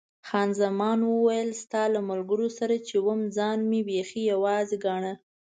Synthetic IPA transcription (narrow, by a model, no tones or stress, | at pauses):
xɑnzamɑnwəwajəlst̪ɑlamalɡəɾosaɾat͡ʃewəmd͡zɑnmebexijawɑzeɡɑɳə